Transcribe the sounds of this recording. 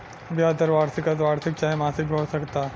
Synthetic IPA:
bʱiat̪əɾʋaːɾsɪkat̪ʋaːɾsik̚t͡ʃaːɦemasikɡʱoɽsəkt̪a

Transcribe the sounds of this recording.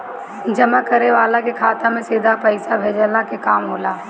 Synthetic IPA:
d͡ʒɐmakəɾeʋaːlakekʰaːt̪amẽsiːd̪ʱapɐɪsabʱeːd͡ʒəlakekaːmɦoːlaː

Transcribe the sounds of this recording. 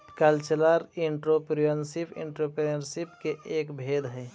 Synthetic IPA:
kəlt͡ʃələɾiɳʈɾopɾiənsipḭ̃ɳʈɾopɾeəɾsipkeʔeːkbʱeːd̪ɦɛ

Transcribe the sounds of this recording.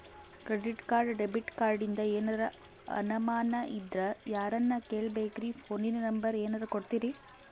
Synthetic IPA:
kɾeɖiʈkaːɾɖɖebiʈkaːɾɖind̪ɐeːnɐɾɐ | ɐ̰nɐmaːnɐʔid̪ɾɐjaːɾɐnːɐkeːɭbeːkiɾifʰoːninɐnɐmbɐɾeːnɐɾɐkoɽt̪iɾi

